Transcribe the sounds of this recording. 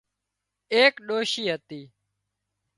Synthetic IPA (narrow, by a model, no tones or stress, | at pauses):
eːkɗoːʃiːɦət̪iː